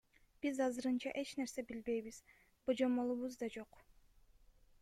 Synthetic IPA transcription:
b̥izɑzɯɾɯnt͡ʃɑ̰ʔe̞t͡ʃne̞ɾse̞bilbe̞jβiz̥ | bod͡ʒo̞molˠuβuzd̪ɑd͡ʒo̞q

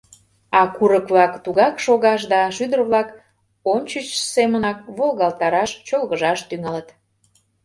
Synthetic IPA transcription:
ɑkuɾəkβlɑkt̪uɣɑkʃoɣɑʃ̬d̪ɑʃyd̪ərβlɑk | omt͡ɕət͡ɕsemənɑk̚βolˠɣɑlˠt̪ɑɾɑʃt͡ɕolɣəʒɑʃt̪yŋɑlət̪

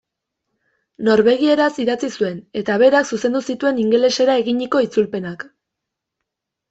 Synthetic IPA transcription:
no̞ɾβe̞ɣie̞ɾasiðat͡sisue̞ne̞t̪aβe̞ɾaksuse̞nd̪usit̪ue̞niŋɡe̞le̞se̞ɾae̞ɣiɲiko̞it͡sulpe̞nak

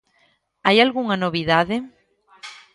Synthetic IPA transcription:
ajalɣuŋɐnoβiðaðɪ

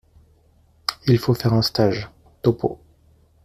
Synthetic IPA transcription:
ilfofɛʁɛ̃st̪aʒ | t̪ɔpʰo̰

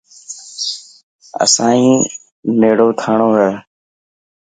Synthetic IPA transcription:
ə̰sãːĩː | neːɽoːt̪ʰaːɳoːɦəː

